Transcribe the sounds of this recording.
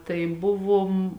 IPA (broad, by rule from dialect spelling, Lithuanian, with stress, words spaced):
tɐɪ ˈbʊʋoːm